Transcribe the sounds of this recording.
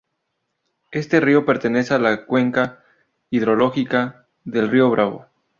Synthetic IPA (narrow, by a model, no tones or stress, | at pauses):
e̞st̪e̞rio̞pe̞ɾt̪e̞ne̞sealakwe̞ŋka | iðɾo̞lo̞xika | ðe̞lrioβ̞ɾaβo̞̰